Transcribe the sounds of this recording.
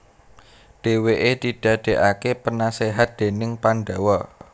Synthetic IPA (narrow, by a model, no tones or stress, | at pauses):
ɖ̥e̤weʔed̪̥id̥ä̤d̪̥ɛ̤ʔakepənaseɦat̪̚d̪̥e̤nɪŋpanɖawɔ